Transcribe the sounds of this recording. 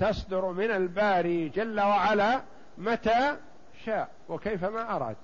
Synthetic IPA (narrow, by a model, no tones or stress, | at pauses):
t̪ɑsˤd̪ʊɾmɪnalbaːɾiːd͡ʒalːawaʕalaː | mat̪aː | ʃaːʔ | wakejfamaːʔɑɾˤɑ̰ːd̪